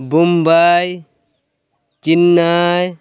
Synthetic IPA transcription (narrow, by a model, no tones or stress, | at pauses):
bumbaːj | t͡ʃinːaːj